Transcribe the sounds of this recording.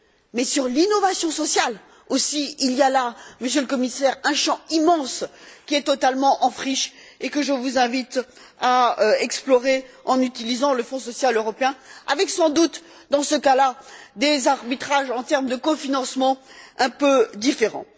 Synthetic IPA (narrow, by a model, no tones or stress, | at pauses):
mɛsyʁlinɔvasjɔ̃sɔsjal | osiiljalaməsjøləkɔmisɛʁɛ̃ʃɑ̃imɑ̃skʲiɛt̪ɔt̪almɑ̃ʔɑ̃fχiʃekəʒəvuzɛ̃vit̪aɛksplɔʁeɑ̃nyt̪ilizɑ̃ləfɔ̃sɔsjaløʁɔpeɛ̃a̰vɛksɑ̃d̪ut̪ | d̪ɑ̃səkalad̪ezaʁbit̪χaʒɑ̃t̪ɛʁmd̪əkɔfinɑ̃smɑ̃ɛ̃pød̪ifeʁɑ̰̃